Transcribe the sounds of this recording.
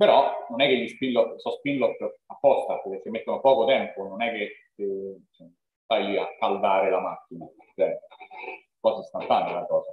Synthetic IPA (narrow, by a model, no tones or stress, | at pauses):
peɾɔnonɛkːeʎːispilot̪sɔspinlot̪ːəapːɔst̪apkːesːemːet̪ːonopɔːkot̪ɛmpononɛkːe | somː | st̪ajʎia̰kːald̪aːɾelamakːina | t͡ʃɛ | kɔːsast̪ant̪ant̪elakɔːza